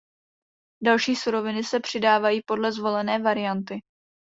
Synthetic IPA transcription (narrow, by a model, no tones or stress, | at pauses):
dalʃiːsuɾo̞vɪnɪsɛpr̝̥ɪdaːvajiːpo̞dlɛzvo̞lɛnɛːvaɾɪjant̪ɪ